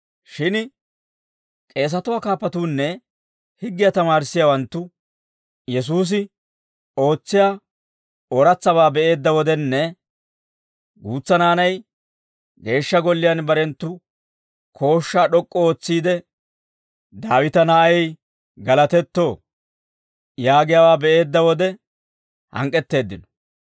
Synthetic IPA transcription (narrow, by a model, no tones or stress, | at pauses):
ʃɪn | kʼe̞ːs̬ɐt̪ʊwaːkaːpːɐt̪uːnːɛ | hɪɡːɪjat̪ɐmaːɾɪsːɪjawɐnt̪ːʊ | jɛs̬uːs̬ɪ | o̞ːt͡sːɪjaː | ɔɾɐt͡sːɐβaːbɛʔe̞ːd̪ːɐwɔd̪ɛnːɛ | ɡuːt͡sːɐnaːnɐj | ɡe̞ːʃːɐɡɔlːɪjɐnbɐɾɛnt̪ːʊ | kʰo̞ːʃːaːɗɔkʼːɔoːt͡sːiːd̪ɛ | d̪aːwɪt̪ɐnaɛj | ɡɐlɐt̪ɛt̪ːo̞ː | jaːɡɪjawaːbɛʔe̞ːd̪ːɐwɔd̪ɛ | hɐ̰ŋkʼːɛt̪ːe̞ːd̪ːɪnɔ̥